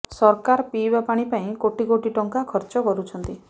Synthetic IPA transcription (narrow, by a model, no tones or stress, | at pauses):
sɔɾkaɾpibapaɽ̃ipaĩkoʈikoʈiʈɔŋkakʰɔɾt͡ʃɔkɔɾut͡ʃʰɔnt̪i